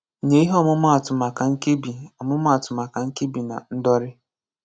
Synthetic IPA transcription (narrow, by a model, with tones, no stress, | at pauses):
ɲe˦i˦ɦɔ˦mʊ˦m˦a˨tʊ˨ma˨ka˨ŋ̩˦ke˦bi˨ɔ˨mʊ˦mʊ˦a˨tʊ˨ma˨ka˨ŋ̩˦ke˦bi˨na̰˨n̩˦dɔ˦ɾɪ˦